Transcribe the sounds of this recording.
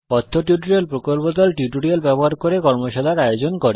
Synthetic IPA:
pɔt̪ʰːoʈjuʈoɾielpɾokolpod̪ɔlʈiʈoɾialbɛboɦaɾkoɾekɔɾmoʃad̪ʱaɾajod͡ʑonkoɾe

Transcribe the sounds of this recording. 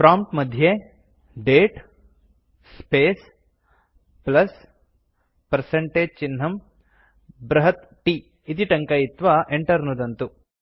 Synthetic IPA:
pɾaːmpʈmɐd̪ʱje | ɖeːʈ | speːs | plɐs | pɐɾseɳʈeːd͡ʒt͡ʃinɦɐm | bɾɐɦɐt̪ | ʈi | it̪̬iʈɐŋkɐjit̪ʋɐʔeɳʈɐɾnud̪ɐnt̪u

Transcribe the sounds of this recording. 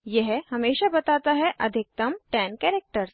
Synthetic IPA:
jɛɦhɐmeːʃabɐt̪aːt̪aɦɛʔɐd̪ʱɪk̚t̪ɐmʈɛːnkɛːɾek̚ʈəɾs

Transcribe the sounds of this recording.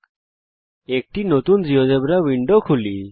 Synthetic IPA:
ek̚ʈinot̪und͡ʒiɔd̪ebɾaʋiɳɖokʰuli

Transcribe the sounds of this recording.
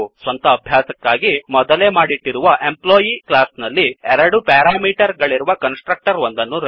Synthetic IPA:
sʋɐnt̪ɐːbʱjaːsɐkːaːɡimɔd̪ɐlemaːɽiʈːiɾuʋɐʔemploːjiklaːsnɐlːiɛɾɐɽupaːɾaːmiːʈɐɾɡɐɭiɾuʋɐkɐnsʈɾɐk̚ʈɐɾʋond̪ɐnːuɾ

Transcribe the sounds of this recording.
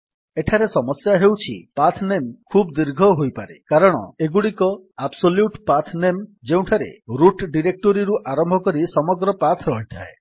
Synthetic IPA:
eʈʰaɾesɔmɔsjaɦewt͡ʃʰḭpat̪ʰnemkʰubd̪iɾɡʱɔɦojpaɾekaɾɔɽ̃ɔ̰eɡuɽikɔabsoljuʈpat̪ʰnemd͡ʒeũʈʰaɾḛɾuʈɖiɾek̚ʈoɾiɾuʔaɾɔmbʱɔkɔɾisɔmɔɡɾɔpat̪ʰɾɔɦit̪ʰa̰e

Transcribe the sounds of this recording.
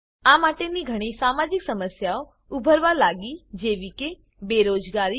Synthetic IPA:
amaʈeniɡʱəɽ̃isamad͡ʒɪksəməsjao | ʊbʱəɾʋalaɡid͡ʒeʋike | beɾoːd͡ʒɡaɾi

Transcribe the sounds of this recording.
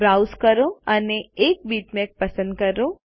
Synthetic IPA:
bɾawskəɾoəneek̚bit̪mek̚pəsə̃nd̪̚kəɾo

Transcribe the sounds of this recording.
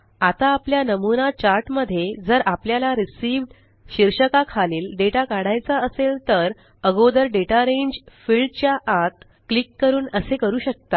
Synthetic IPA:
at̪aːpljanəmunat͡ɕaɾʈməd̪ʱːjed͡zəɾʔapljalaɾisiʋɖ | ɕiɾɕəkakʰaliːlɖeʈakaɽajt͡saəselt̪əɾ | əɡod̪əɾɖeʈaɾeɲd͡ʑfiɭɖt͡ɕjaʔat̪ | klikːəɾuːnəsekəɾuːɕək̚t̪a

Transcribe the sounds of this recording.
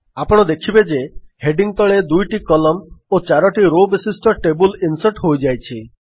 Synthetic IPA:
apɔɽ̃ɔd̪ekʰibed͡ʒeheɖiŋt̪ɔɭed̪ujʈikɔlɔmot͡ʃaɾɔʈiɾobesisʈɔʈebulinsɔʈɦojd͡ʒajt͡ʃʰi

